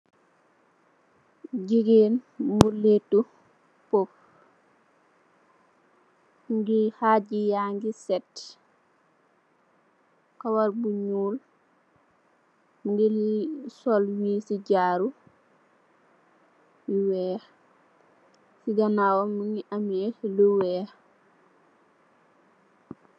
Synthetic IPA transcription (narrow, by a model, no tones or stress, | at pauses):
ɟiɡeːnmbuletːu | pop | ŋɡihaːɟijaːŋɡisɛt | kawaɾbuɲuːl | muŋɡisɔlwiːsiɟaːɾu | jiwɛː | siɡɐnaːwɔmuŋɡiʔɐmɛluwɛː